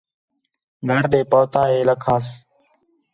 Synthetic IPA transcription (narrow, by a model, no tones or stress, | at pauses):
nəɾɗeːpəːt̪ãːeːləkʰaːs